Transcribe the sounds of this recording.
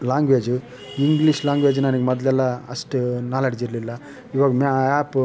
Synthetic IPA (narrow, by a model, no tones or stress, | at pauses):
laːŋɡʋeːd͡ʒ | iŋɡliʂlaːŋɡʋeːd͡ʒnɐniɡemɔd̪lɛlːɐɐsʈunaːlɐɽd͡ʒiɾlilːɐ | iːʋaːɡɐmaaːp